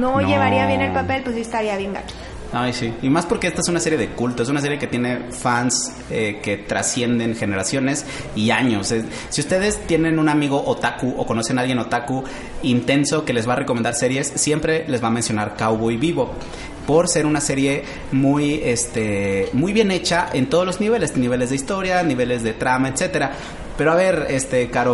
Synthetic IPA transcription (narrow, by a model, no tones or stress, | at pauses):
noʝeβaɾiaβjenelpape̞lpwesiest̪aɾiaβje̞ŋɡa̰t͡ʃo̥ | ajsiimaspoɾkeest̪ae̞s̬unase̞ɾjeðe̞kult̪oesunas̬e̞ɾjeket̪je̞ne̞fans | eke̞t̪ɾa̰sje̞nd̪e̞nxe̞ne̞ɾasjo̞ne̞s | iaɲo̞se | siust̪e̞ð̞e̞st̪je̞nẽ̞nũnamiɣo̞ʔot̪akuʔo̰ko̞no̞se̞nalɣje̞no̞t̪aku | int̪e̞nso̞ke̞le̞zβaːre̞kome̞nd̪aɾse̞ɾje̞sːje̞mpɾe̞le̞zβamensjo̞naɾkawβoiβiβo̞ | po̞ɾse̞ɾunase̞ɾje̞ | muje̞st̪emujβje̞ne̞t͡ʃaʔe̞nt̪o̞ð̞o̞lo̞zniβe̞lest̪eniβ̞e̞le̞zðeist̪o̞ɾjaniβ̞e̞le̞zðe̞t̪ɾamaet̪se̞t̪e̞ɾa | pe̞ɾoaβe̞ɾest̪e̞kaɾo